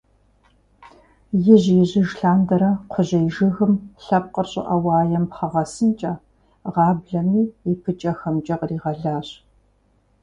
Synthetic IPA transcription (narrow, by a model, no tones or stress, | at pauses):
jɪʑjɪʑɪʒɬaːndɐɾɐqʷʰʊʑɐjʒɨɣɨmɬɐp̚qərɕʼɪ̰ʔɐwɑːjɐmpχɐʁɐsɨnt͡ʃʼɐ | ʁɑːbɮɐmiːipʰɨt͡ʃʼɐxɐmt͡ʃʼɐqriːʁɐɮaːɕʼ